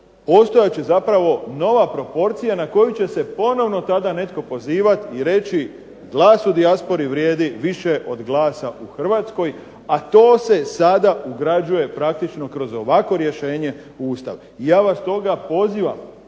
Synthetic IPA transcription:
po̞ːst̪o̞jat͡ɕe̞zapɾaʋo̞no̞ʋapɾo̞po̞ɾt̪sijanako̞jut͡ɕe̞se̞po̞no̞ʋno̞t̪ad̪ane̞t̪ko̞po̞ziːʋat̪iɾe̞t͡ɕi | ɡlˠaːsud̪iaspo̞ɾiʋɾje̞ːd̪iʋiʃe̞ʔo̞d̪ɡlˠaːsaʔuxr̩ʋat̪sko̞j | at̪o̞ːse̞sad̪auɡɾad͡ʒuje̞pɾakt̪it͡ʃno̞kɾo̞zo̞ʋakʋo̞ɾje̞ʃe̞ːɲe̞ | uːst̪a̰ʋ | ijaːʋast̪o̞ɡapo̞ziːʋam

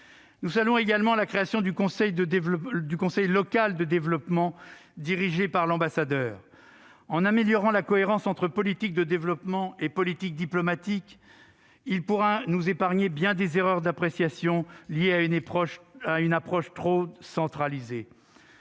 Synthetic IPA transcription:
nuzalɔ̃eɡalmɑ̃lakχeasjɔ̃d̪ykɔ̃sɛjd̪əd̪ykɔ̃sɛjlɔkald̪əd̪evlɔpmɑ̃d̪iʁiʒepaʁlɑ̃basad̪œːʁ | ɑ̃nameljɔʁɑ̃lakɔeʁɑ̃sɑ̃t̪χəpɔlit̪ik̚d̪əd̪evlɔpmɑ̃epɔlit̪ik̚d̪iplɔmat̪ik | ilpuʁɛnuzepaʁɲebjɛ̃d̪ezeʁœʁd̪apχesjasjɔ̃ljeaɔʃaynapχɔʃt̪χosɑ̃t̪χalize

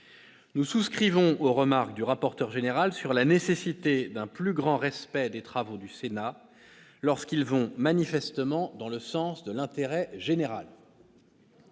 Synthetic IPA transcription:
nususkχivɔ̃oʁəmaʁkd̪yʁapɔʁt̪œʁʒeneʁalsyʁlanesesit̪ed̪ɛ̃plyɡʁɑ̃ʁɛspɛd̪et̪χavod̪ysena | lɔʁskʲilvɔ̃manifɛst̪əmɑ̃d̪ɑ̃ləsɑ̃sd̪əlɛ̃t̪eʁɛʒeneʁa̰l

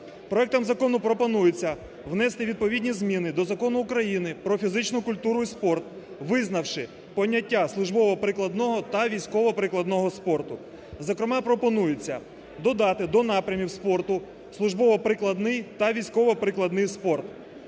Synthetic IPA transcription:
pɾɔɛk̚t̪ɐmzɐkɔnʊpɾɔpɔnujet͡sʲːɐ | wnɛst̪ɪʋʲid̪̚pɔʋʲidʲnʲizmʲinɪd̪ɔzɐkɔnʊːkɾɐjinɪpɾɔfʲizɪt͡ʃnʊkʊlʲt̪uɾʊispɔrt̪̚ | ʋɪznɐwʃɪ | pɔnʲːɐtʲːaslˠʊʒbɔʋɔpɾɪklˠɐd̪nɔɦɔt̪ɐʋʲijsʲkɔʋɔpɾɪklˠɐd̪nɔɦɔspɔrt̪ʊ | zɔkɾɪmɑpɾɔpɔnujet͡sʲːɐ | d̪ɔd̪ɑt̪ɪd̪ɔnɑpɾʲɐmʲiwspɔrt̪ʊ | slˠʊʒbɔʋɔpɾɪklˠɐd̪nɪjt̪ɐʋʲijsʲkɔʋɔpɾɪklˠɐd̪nɪjspɔrt̪

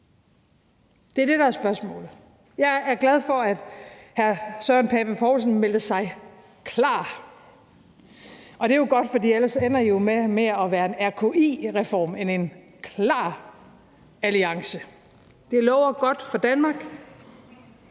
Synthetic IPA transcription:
d̥eæɐd̥e̝ɾɑ̈æɐsb̥ɶɐsmɔ̰̽ːl̩ˠ | jɑ̈ɪæɐɡ̥læð̞ˠfɒ̽æd̥hæɐsœnpʰɛb̥æpʰɒːs̬n̩mel̰d̥əsɑ̈ɪ | kʰlɑ̰̈ː | ʔɒ̽d̥e̝jo̝ɡ̥ɒ̽d̥fɒ̽dḭːæləsen̰ɐijo̝memeɐɒ̽ʋæːɐe̝næɐkʰo̝ʔḭːʁɛfɒ̰ːmene̝n | kʰlɑ̰̈ː | æliɑ̈ŋsə | d̥e̝lɒʊ̰ɐɡ̥ɒ̽d̥fɒd̥ænmɑ̈ːɡ̥

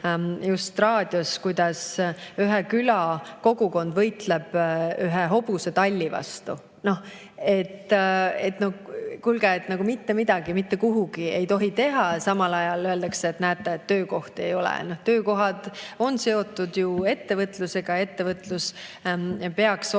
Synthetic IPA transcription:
just̪rɑːd̪̥ʲjo̞skujd̪̥ɑsyɦekylɑko̞ɡuko̞nd̪̥vɤjt̪leb̥yɦeɦo̞b̥use̞t̪ɑlʲːivɑ̰st̪u | no̞h | e̞t̪ːe̞t̪no̞hkulɡeːt̪nɑɡ̥umit̪ːe̞mid̪ɑɡ̥imit̪ːe̞kuɦuɡ̥ie̞̰jt̪o̞ɦit̪e̞ɦɑsɑmɑlɑjɑløe̞ld̪ɑkseːt̪næːt̪ːˑeet̪ːø̞ːko̞ht̪e̞jo̞lɛ̰noht̪ø̞ːko̞ɦɑd̪̥o̞nse̞o̞t̪ːˑud̪̥jue̞t̪ːevɤt̪ˑluse̞ɡ̥ɑe̞t̪ːe̞vɤt̪ːˑlus | pe̞ɑks

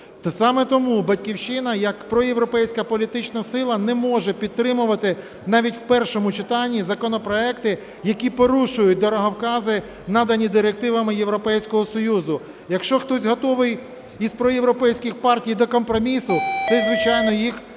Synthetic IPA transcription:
t̪ɔsɑmɛt̪ɔmubɐtʲkʲiwʃɪnɐjɐkpɾɔjewɾɔpɛjsʲkɐpɔlʲit̪ɪt͡ʃnɐsɪlˠɐnɛmɔʒɛpʲid̪̚t̪ːɾɪmʊʋɐt̪ɪ | nɑʋʲitʲwpɛrʃɔmʊt͡ʃɪt̪ɑnʲːizɐkɔnɔpɾɔɛkt̪ɪ | jɐkʲipɔɾuʃʊjʊt̚ʲd̪ɔɾɔɦɐwkɑzɪ | nɑd̪ɐnʲid̪ɪɾek̚t̪ɪʋɐmɪjewɾɔpɛjsʲkɔɦɔsɔjuzʊ | jɐkʃt͡ʃɔxt̪ɔsʲɦɔt̪ɔʋɪj | izpɾɔjewɾɔpɛjsʲkʲɪxpɑrtʲijd̪ɔkɔmpɾɔmʲisʊt̪sɛzʋɪt͡ʃɑjnɔjix

